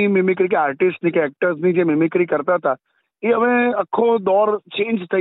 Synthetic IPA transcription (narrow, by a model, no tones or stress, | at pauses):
imɪmɪkɾikeaːɾʈɪsʈnikɛk̚ʈəɾznid͡ʒemɪmɪkɾikəɾt̪aɦət̪a | eəmẽəkʰːod̪ɔːɾt͡ʃẽːnd͡ʒt̪ʰə